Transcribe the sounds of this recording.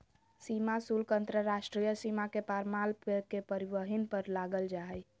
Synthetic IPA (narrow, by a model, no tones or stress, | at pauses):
simasulkənt̪ɾəɾaʃʈɾijəsimakepaɾmalpekepəɾibəɦinpəɾlaɡəld͡ʒaɦɛ